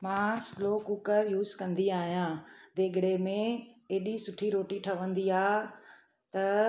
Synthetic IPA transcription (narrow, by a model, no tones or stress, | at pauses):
mãːsloːkukəɾjuːzkɐ̃nd̪iaːɦijãd̪eːɡɽemẽeːɗisʊʈʰiɾoːʈiʈʰɐʋə̃nd̪iaː | t̪ɐ